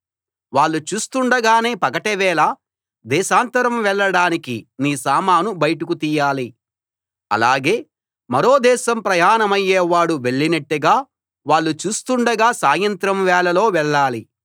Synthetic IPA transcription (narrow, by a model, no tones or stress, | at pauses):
ʋaːɭːut͡ʃuːst̪uɳɖɐɡaːne̞ːpɐkɐʈɛʋɛːlaː | d̪ɛːʃaːnt̪ɐɾɐmʋɛɭːɐɽaːnikiniːsaːmaːnubɐjʈukut̪iːjaːli | ɐ̰laːɡe̞ː | mɐɾo̞ːd̪ɛːʃɐmpɾɐjaːnɐmɐjːeːʋaːɽuʋe̞ɭːinɐʈːiɡaː | ʋaːɭːut͡ʃuːst̪uɳɖɐɡaːsaːjɐnt̪ɾɐmʋɛːɭɐlo̞ːʋɛɭːaːli